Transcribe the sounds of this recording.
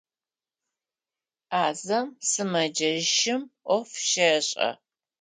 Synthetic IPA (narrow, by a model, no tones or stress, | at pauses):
aːzɐmsɨmɐd͡ʒɐʃɪmʔʷɔfʃɐɕʼɐ̰